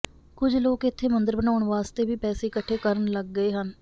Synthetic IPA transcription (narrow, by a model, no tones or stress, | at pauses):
kʊd͡ʒloːkɪt̪ʰːeːmənd̪əɾbənaːʊɳʋaːst̪eːʋiːpɛːseːkəʈʰːeːkəɾənləɡːəeːɦən